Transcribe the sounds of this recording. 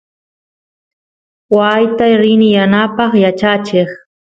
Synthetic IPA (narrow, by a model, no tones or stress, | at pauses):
wajt̪ajɾɪnɪjanapɑχjat͡ʃat͡ʃɪχ